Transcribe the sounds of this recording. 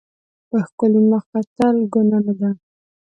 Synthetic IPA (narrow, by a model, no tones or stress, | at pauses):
pəxkəlimaxat̪alɡʊnanad̪a